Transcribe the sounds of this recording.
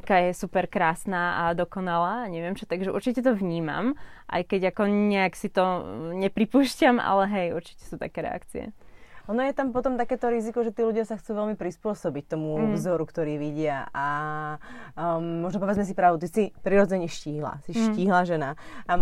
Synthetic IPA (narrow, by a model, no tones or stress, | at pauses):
kaːjɛsupɛɾkɾaːsnaːʔad̪ɔkɔnalaːɲɛʋɪɛmt͡ʃɔt̪aɡʒɛʔṵɾt͡ʃicɛt̪̬ɔʋɲiːma̰mʔa̰jkɛɟakɔɲɛaksit̪ɔɲɛpɾipuːʃcama̰lɛɦɛjuɾt͡ʃi̥cɛ̥suːt̪a̰kɛːɾɛ̰a̰kt͡siɛ̰ɔnɔjɛt̪ampɔt̪ɔmt̪akɛːt̪ɔɾizikɔʒɛt̪iːluɟjasaxt͡suːʋɛlmipɾispʊɔsɔbic̚t̪ɔmuvzɔɾukt̪ɔɾiːʋiɟɪaʔa | mɔʒnɔpɔʋɛd͡zmɛs̬ipɾaːʋd̪ut̪isipɾiɾɔd͡zɛɲɛʃciːɦla̰siʃciːɦlaʒɛnaa